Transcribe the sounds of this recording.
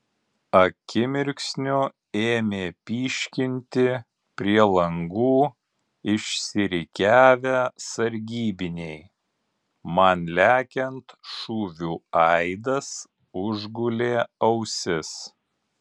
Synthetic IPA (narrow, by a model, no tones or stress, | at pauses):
ɐkʲɪmʲɪɾʲksʲnʲʊ | eːmʲeːpʲiːʃʲkʲɪnʲt̪ʲɪ | pʲɾʲiɛlˠɐŋɡuː | ɪʃʲsʲɪɾʲɪkʲæːʋʲæsɐɾʲɡʲiːbʲɪnʲɛɪ | mɐnlʲæːkʲɛnt̪ʃuːʋʲuːɐɪd̪ɐs | ʊʒɡʊlʲeːɐʊsʲɪs